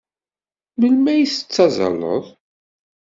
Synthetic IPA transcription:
məlmæjiθə̥t͡sːɑzˤɑ̰lːə̰ðˤ

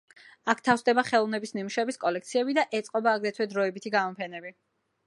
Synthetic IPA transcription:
ak̚ʰt̪ʰafsd̪ɛbaχɛlˠɔvnɛbisnimuʃɛbiskʼɔlɛk̚t̪sʰiɛbid̪aʔɛt̪sʼqʼɔbaːɡɾɛt̪ʰwɛd̪ɾɔɛbit̪ʰiɡamɔpʰɛnɛbi

